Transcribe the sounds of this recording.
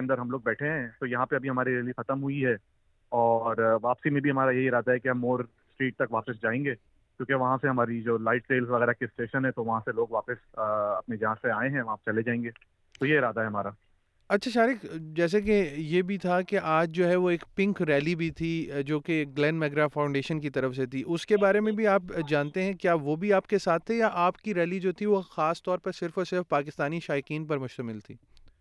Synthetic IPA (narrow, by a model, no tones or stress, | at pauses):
eɐ̃nd̪əɾɦɐmloːɡ̚bɛːʈʰeɦɛ̃t̪ojɐɦãpeɐbʱiɦɐmaːɾiɾɛːlixɐt̪əmɦʊiɦɛ | ɔːɾʋaːpsimẽbʱiɦɐmaːɾajɐɦiɪɾaːd̪aɦɛkiɦɐmːoːɾ | sʈɾiːʈ̚t̪ɐkʋaːpɪsd͡ʒaːẽːŋɡeː | kjõːkeʋɐɦãseɦɐmaːɾid͡ʒoːlaɪʈseːlzʋɐɣɛːɾakeɪsʈeːʃənɦɛ̃t̪oʋɐɦãseloːɡʋaːpɪsɐ̰pned͡ʒɐãseaːẽɦɛ̃ʋɐɦãpt͡ʃɐled͡ʒaːẽːŋɡeː | t̪ojeɪɾaːd̪aɦɛɦɐmaːɾa | ɐtːʃʰaʃaːɾɪkd͡ʒɛːs̬ek̬ejebʱit̪ʰakeʔaːd͡ʒd͡ʒoːɦɛʋoeːkpɪ̃ŋkɾɛːlibʱit̪ʰid͡ʒoːkeɡlɛ̃ːnɖmɛɡɾafãːʊ̃ɳɖeːʃənkit̪ɐɾəfset̪ʰiʔʊskebaːɾemẽbʱiaːpd͡ʒãːnt̪eɦɛ̃kjaːʋobʱiaːpkesaːt̪ʰːejaʔaːpkiɾɛːlid͡ʒoːt̪ʰiʋoxaːst̪ɔːɾpɐɾsɪɾfoɾsɪɾfpaːkɪst̪aːniʃaːɪqiːnpɐɾmʊʃt̪əmɪlt̪ʰiː